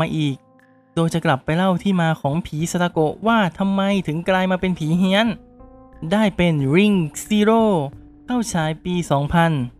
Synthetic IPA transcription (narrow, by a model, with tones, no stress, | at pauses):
maː˧ʔiː˨˩k̚ | doː˧jt͡ɕa˨˩kla˨˩pːa˧jla˥˩wt̪ʰiː˥˩maː˧kʰɔː˩˦ŋpʰiː˩˦sa˧ɾa˧ko˨˩ʔwaː˥˩t̪ʰa˧mːa˧jt̪ʰɯ˩˦ŋklaː˧jmaː˧pe˧npʰiː˩˦ɦi˧˥ən | daː˥˩jpe˧nɾi˧˩ŋsiː˧ɾoː˥˩ | kʰa˥˩wt͡ɕʰaː˩˦jpiː˧sɔː˩˦ŋpʰa˧n